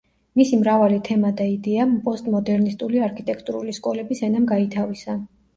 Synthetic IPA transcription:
misimɾavalit̪ʰɛmad̪aid̪ɛampʼɔst̪ʼmɔd̪ɛɾnist̪ʼuliaɾkʰit̪ʼɛkʰt̪ʼuɾuliskʼɔlɛbisɛnamɡait̪ʰavisa

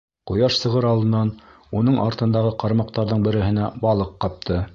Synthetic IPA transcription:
qŭjɑʃsɤ̆ʁɤɾɑlˠd̪ɤ̆nɑn | unɤɴʔɑɾt̪ɤ̆nd̪ɑʁɤqɑɾmɑq̚t̪ɑɾðɤɴbɘ̆ɾɘ̆ɦɘ̆næbɑlˠɤqːɑp̚t̪ʰɤ

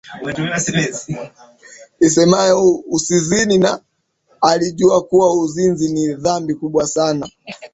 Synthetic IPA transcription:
isɛmajɔusizininaː | liʄuakuwauzinziniðambikuɓwasana

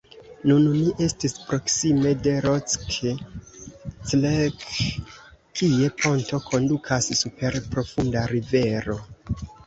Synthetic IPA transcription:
nunniʔe̞stispɾo̞ksime̞de̞ɾot͡skʰe | t͡slek | kie̞pʰo̞nto̞kʰo̞ndukʰasːupe̞ɾpɾo̞fundaɾive̞ɾo̞

